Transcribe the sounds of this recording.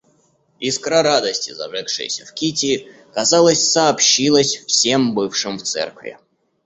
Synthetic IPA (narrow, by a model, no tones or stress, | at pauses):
iskɾaɾad̪əsʲtʲɪzɐ̰ʐɛkʂɨ̰jɪ̰sʲə̰fkʲitʲɪː | kɐzalˠəsʲsɐɐpɕilˠəsʲfsʲembɨfʂɨmft̪sɛ̰rkvʲɪ̰